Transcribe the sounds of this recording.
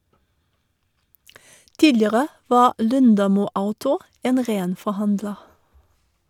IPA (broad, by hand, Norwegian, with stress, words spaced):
ˈtiːlɪəʁə ˈʋɑː ˈlʉndɑmuː ˈaʊtʊ ˈeːn ˈʁeːn fɔˈhɑndlə